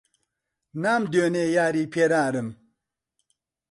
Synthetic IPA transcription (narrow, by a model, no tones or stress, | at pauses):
namd̪ønejaɾipʰeɾaɾɨm